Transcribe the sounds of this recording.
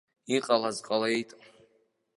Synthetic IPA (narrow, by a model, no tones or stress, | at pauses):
iqʼalazqʼalejtʼ